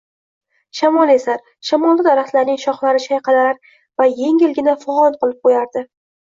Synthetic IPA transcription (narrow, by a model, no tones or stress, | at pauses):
ʃamɒle̞saɾ | ʃamɒlˠːɪd̪aɾaχt̪laɾnɪŋʃɒχlˠaɾɪʃajqʰɑlaaɾ | vaje̞ŋɪlɡʲɪnafʊɒnqɨlˠɪp̚qʰojaɾd̪ɪ